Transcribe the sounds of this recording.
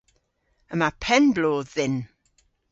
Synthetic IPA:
əmapʰɛnbloːðɪn

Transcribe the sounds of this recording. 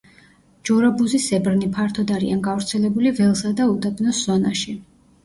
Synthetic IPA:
d͡ʒ̥ɔɾabuzisɛbɾnipʰaɾt̪ʰɔd̪aɾianɡavɾt̪sʰɛlɛbulivɛlˠsad̪aut̪apʰʼnɔsz̥ɔnaʃi

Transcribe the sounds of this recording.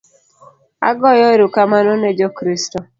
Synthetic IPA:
a̰ɡɔjɔeɾukamanɔnɛd͡ʒɔkɾistɔ

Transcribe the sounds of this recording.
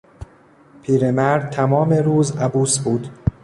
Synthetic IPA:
pʰiːɾemæɾd̪̚t̪ʰæmɒːmeɾuːzæbuːsbuːd̪

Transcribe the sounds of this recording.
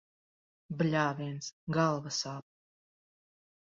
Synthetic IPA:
blʲaːviɛnsɡalˠvasaːp̚

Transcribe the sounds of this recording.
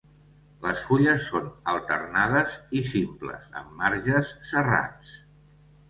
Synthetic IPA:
ləsfuʎəsːonəlˠt̪ərnaðəzisimplə̰zə̰mːaɾʒəsːəra̰s

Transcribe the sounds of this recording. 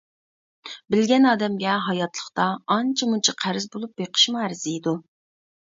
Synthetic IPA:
bɪlɡʲɛnɑːd̪ɛmɡʲɛɦɑjɑt̪lˠəχt̪ɑːnt͡ʃʰɛmunt͡ʃʰɑqʰæɾɪzbolˠup̚beqʰə̥ʃmuæɾɪzɪid̪u

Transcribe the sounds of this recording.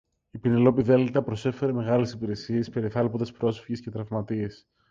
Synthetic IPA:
ipinelo̞piðelt̪ɐpɾo̞se̞fe̞ɾe̞me̞ɣɐlesipiɾe̞sie̞spe̞ɾiθɐlpod̪espɾo̞sfiʝesce̞t̪ɾɐvmɐt̪ie̞s

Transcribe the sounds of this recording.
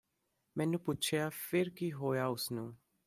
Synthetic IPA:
mɛ̃ːnũːpʊtːt͡ʃʰeafɪɾkiɦoːjaʊsnũː

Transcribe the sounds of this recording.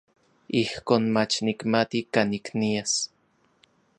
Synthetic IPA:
ihkoːnmat͡ʃnikmat̪ikaniknias

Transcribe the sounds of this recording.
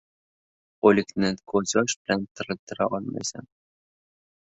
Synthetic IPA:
olʲɘknɘkʰozʲɑʃb̆lʲænt̪ɤ̆ɾɤ̆t̪ɤ̆ɾɑʔɒlmɑ̰sɑ̰n

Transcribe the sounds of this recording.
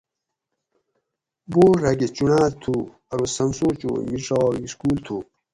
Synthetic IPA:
boːɾaɡet͡ɕunaːt̪ʰuː | ɐɾosɐmsoːt͡ɕo̰ːmiʈ͡ʂaːiskuːlt̪ʰuː

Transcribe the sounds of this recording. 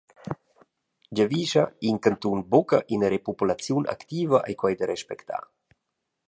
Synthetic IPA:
d͡ʒaviʃaiŋkant̪unbokaʔinəɾepupulat͡sjunʔa̰kt̪iːvaʔa̰jkwajd̪əɾɛʃpɛkt̪a̰

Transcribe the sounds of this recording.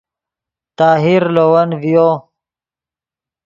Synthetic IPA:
t̪aːɦiɾloːwɐnvijo

